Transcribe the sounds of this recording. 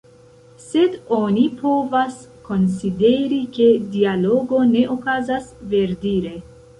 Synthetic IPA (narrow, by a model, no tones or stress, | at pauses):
sed̪ɔːnipʰoːvaskʰonsid̪eɾiked̪ialoɡoneʔɔkazasveɾd̪iɾe